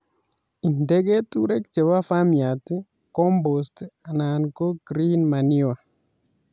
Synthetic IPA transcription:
i˨ndɛ˦ɡe˦tu˦ɾe˦kt͡ʃe˨wa˦fa˦mja˨ti˦ | kɔ˦mbo˨sta˨na˨nko˦ɡɾi˦nma˨ni˦wa˨

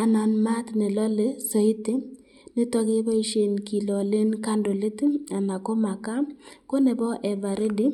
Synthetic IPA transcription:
a˨na˨nma˦tne˨lɔ˦le˨sɔ˨i˦tɪ˦ | ne˦tɔ˦ke˦bɔ˦i˦ʃe˦˨nki˨lɔ˨le˦nka˦ndo˨le˦ta˨na˨ko˦ma˨ka˦ko˦ne˨bɔ˦ʔɛ˨va˨ɾe˦di˦

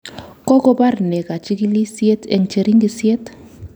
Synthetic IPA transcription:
kɔ˦kɔ˦ba˦ɾi˨nɛ˨ka˨t͡ʃi˦ki˦li˦si˦e˦tɛ̰˦˨ŋ˨t͡ʃe˨ɾi˦ŋɡi˦si˦e˦t

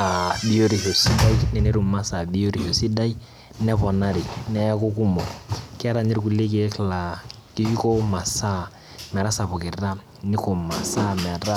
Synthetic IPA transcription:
a˨bi˦o˦ɾi˨ho˨si˦da˦i˦nɛ˨ne˦ɾu˨ma˦sa˨bi˦o˦ɾi˨ho˨si˦da˦i˦ | nɛ˦pɔ˨na˦ɾi˨nɛ˦ja˦ko˦ku˦mɔ˨kɪ˦a˦ɾa˨ɲɪ˦ɾku˨le˦k̬e˨˦kla˨ | ki˨˦i˦ko˦ma˨sa˦ | mɛ˨ɾa˦sa˨pʊ˨kɪ˨ɾa˦ | nɪ˦ko˨ma˨sa˦mɛ˨ɾa˦

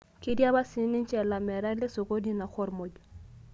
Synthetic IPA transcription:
ki˦dja˦ba˦si˨˦ni˦nt͡ʃɛ˨la˨mɛ˨ɾa˦le˦so˨ko˦di˦na˨xɔ˦ɾmo˨d͡ʒ

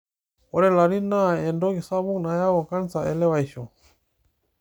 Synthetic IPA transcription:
o˦ɾɛ˦la˨ɾi˦naendɔ˦ki˨sa˦βu˦k̚na˨ja˦wɔ˨ka˦nsaʔe˨lɛ˦wajʃo

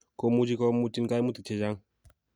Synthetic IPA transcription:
ko˦mu˦d͡ʒi˦kɔ˦mu˦t͡ʃi˦nka˦jmu˦t̪i˨t͡ʃʰe˨d͡ʒa˦ŋ

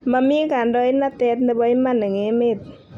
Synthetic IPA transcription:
ma˧miː˧˦˨kaː˨ndɔ˧˦jna˧t̪ɛː˧˦t̪̚nɯ˧˨bɔ˧˦i˦ma˧˨na˨ŋe˨˧˦me˧˩˨t̪̚

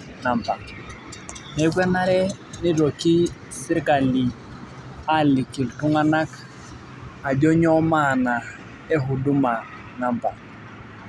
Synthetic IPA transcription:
na˨mpa˨ | nɛ˨˦ɡwɛ˦na˦ɾɛ˦ | ni˦ɾo˨ki˦ | sɪ˦ɾka˨li˨ | a˦lɪ˨ki˨ltu˦ŋa˦na˦k | a˨d͡ʒɔ˦ɲɔ˦ma˦˨na˨ | ɛ˦ɦu˨du˦ma˨ | na˨mpa˨

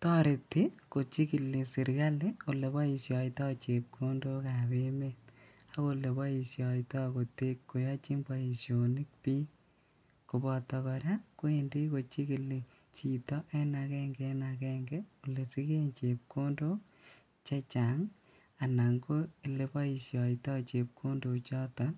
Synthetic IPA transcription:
tɔ˦ɾe˨tːi˦ko˨t͡ʃi˦ki˨le˨si˨ɾɡa˦le˦o˨le˨bɔ˦i˨sjɔ˨itɔ˦t͡ʃe˨p̚kʰo˦ndo˦ka˨be˦me˦ | a˦ko˦˧le˨bɔ˦i˨sjɔ˨itɔ˦ko˨te˦kːo˨jɔ˦t͡ʃi˦mbɔ˨i˨sjo˨ni˦k̚pi˦ | ko˨bɔ˨tɔ˨kɔ˨ɾja˦ko˦e˨ndi˦ko˨t͡ʃi˦ki˨le˨ | t͡ʃi˨tɔ˦ʔɛ˦na˨kɛ˦ŋɡɛ˦na˨kɛ˦ŋɡɛ˦o˨le˨si˦ke˦nt͡ʃe˨p̚ko˦ndo˦ | t͡ʃe˦t͡ʃa˨ŋ | a˨na˨ŋɡo˦i˨le˨bɔ˦i˨sjɔ˨tɔ˦t͡ʃe˨p̚kʰo˦ndo˨t͡ʃɔ˦tɔ˨˦n

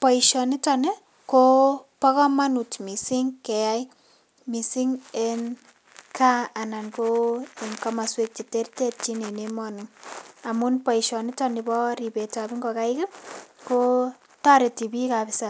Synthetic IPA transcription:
pɔ˨iʃɔni˦tɔ˨ne˦ | kopa˦kɔ˦ma˦nu˨tmi˨si˦ŋke˨ja˦j | mi˨si˦ŋe˦n | kʰaː˦˨na˨nko˦e˨ŋka˦ma˨swe˦k̚t͡ʃi˨te˦rte˦t̚t͡ʃi˦ne˨ne˦mɔ˦nɪ˨ŋa˨mu˦npɔ˨iʃɔ˨ni˦tɔ˨nɪ˨bɔ˦ɾi˨be˨ta˨bi˦ŋɡoka˦ɪ˦kɪ˦ko˦ | ta˦ɾe˨ti˨bi˦kapɪsa

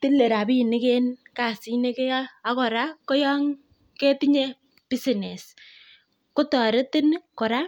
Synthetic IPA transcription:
tɪ˦le˨ɾa˨bi˦˨nɪ˦ke˦nka˨si˦ne˦ke˦a˦kɔ˨ɾa˦kɔ˦jɔ˦ŋ | ke˦tɪ˦ɲe˦ | b̥i˦si˨ne˨s | kʊ˦tɔ˨ɾɪ˦tɪ˦nkɔ˨ɾa˦

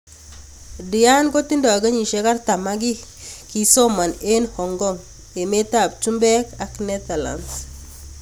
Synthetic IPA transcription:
di˨ja˦nko˦ti˦nda˨a˨ɡa˦ɲi˨ʃe˦ka˦ɾta˨ma˦ɡi˦ki˨sɔ˦ma˨ne˦nhɔ˨ŋɡɔ˦˨ŋ | je˨me˦ta˨p̚tu˦mbɛ˦ka˨knɛ˦t̪a˨la̰˨ns

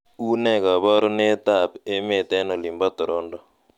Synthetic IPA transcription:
u˦nɛ˦ka˨bɔ˦ɾo˦ne˦t̪a˦˨pe˦me˨t̪ɛ˦nɔ˨li˨mbɔ˦t̪ʊ˨ɾo˦ndɔ˨

